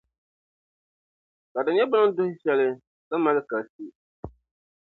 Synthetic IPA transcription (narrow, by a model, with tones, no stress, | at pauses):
ka˨dɨ˨ɲɛ˦bʊ˦ɨ˦n˦dʊ˦hɪ˦ʃɛ˦lɪ˦ | sa˦ma˦lɨ˦ka˨si˦